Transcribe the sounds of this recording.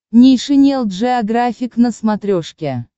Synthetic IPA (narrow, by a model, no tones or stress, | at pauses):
nʲijʂɨnʲelˠt̪ʐɨaɡrafʲiknəsmat̪ɾʲoʂkʲe